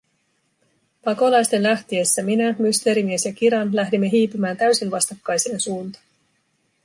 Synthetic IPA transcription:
pɑko̞lɑjst̪e̞nlæht̪ie̞sːæminæmyst̪e̞ɾimie̞sjɑkiɾɑnlæhdimːe̞ɦiːpymæːnt̪æɥsinʋɑst̪ɑkːɑjsieensuːnt̪ɑ̥

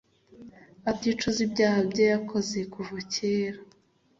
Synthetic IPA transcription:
abɟit͡ʃuzibɟaːhabɟojakʰo̞ze̞kuvuciːɾa

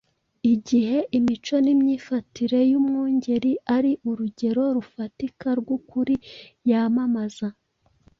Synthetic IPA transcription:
iɟiɦe̞ʔimit͡ʃo̞nimɲiːfatiɾe̞jumŋuːɲɟe̞ɾiʔaɾiʔuɾuɟe̞ɾo̞ɾufatikaɾɡwukuɾijamamaza

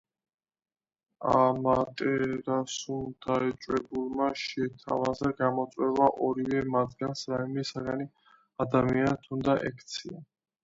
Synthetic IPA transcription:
amat̪ʼɛɾasund̪̥aɛt͡ʃʼwɛbulˠmaʃɛt̪ʰa̰vazaɡamɔt̪sʼwɛvaʔɔɾivɛmat̪ʰɡansɾaimɛsaɡani | ad̪amianat̪ʰund̪aʔɛkʰt̪sʰia

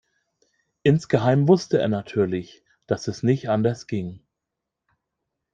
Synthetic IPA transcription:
ʔɪnsɡ̥əɦaɪmvʊstəḛːɐnatʰyːɐlɪç | d̥asɛsnɪçtʔandɐsɡ̥ɪŋ

